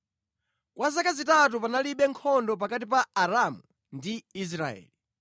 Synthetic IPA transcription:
kwazakazitat̬upanaliɓɛŋkʰɔndɔp̬akatip̬aːɾamu | ndiis̬ɾa̰ɛ̰ːli

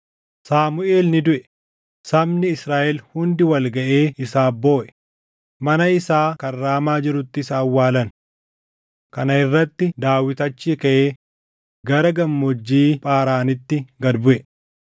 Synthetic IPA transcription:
saːmʊe̞ːlnɪd̪ʊʔɛ | sɐmnɪɪsɾaːʔɛlhʊnd̪ɪwɐlɡɐʔeːɪsaːbo̞ːʔɛ̥ | mɐnɐɪsaːkɐrːaːmaːd͡ʒɪɾʊt̪ːɪsaːwːaːlɐn | kɐnɐɪrːɐt̪ːɪd̪aːwɪt̪ɐt͡ʃːiːkɐʔeː | ɡɐɾɐɡɐmːɔd͡ʒːiːpʼaːɾaːnɪt̪ːɪɡɐd̪bʊʔɛ

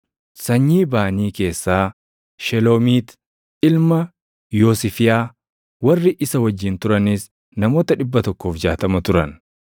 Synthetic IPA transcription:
sɐɲːiːbaːniːke̞ːsːaː | ʃɛloːmiːt̪ | ɪlmɐ | joːsɪfɪjaː | wɐrːɪʔɪsɐwɐd͡ʒːɪnt̪ʊɾɐnɪs | nɐmo̞ːt̪ɐᶑɪbːɐt̪ɔkːoːfd͡ʒaːt̪ɐmɐt̪ʊɾɐn

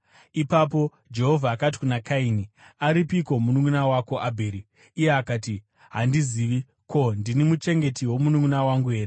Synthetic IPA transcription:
ipapo̞ | d͡ʒe̞ɦo̞vʱaːkat̬i̥kunakaini | aɾipiko̞munuŋunawako̞ʔabʱe̞ːɾiː | jeakaːti | ɦandiziːʋi | ko̞ndinimut͡ʃe̞ŋɡe̞tiwo̞munuŋunawaŋɡuɦe̞ːre

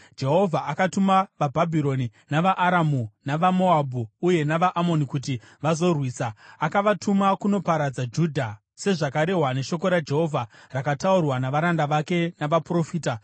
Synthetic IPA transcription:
d͡ʒe̞ɦo̞vʱaʔakatumaʋabʱabʱiɾo̞ninaʋaʔːɾamunaʋamo̞abʱuːje̞naʋaʔamo̞nikut̬i | ʋazo̞rwiːsaakaʋatʰumakuno̞paɾad͡zad͡ʒuːdʱa | se̞ʐakaɾe̞ɦwane̞ʃo̞ko̞ɾad͡ʒe̞ɦo̞vʱarakataurwanaʋaɾandaʋake̞naʋapro̞fiːta

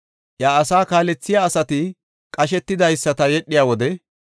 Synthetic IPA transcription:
ʔjaːsaːkaːlɛt͡sːɪjaːsɐt̪ɪ | kʼɐʃ̬ɛt̪ːɪd̪ɐjsːɐt̪ɐjɛɗːɪjaːwɔd̪ɛ

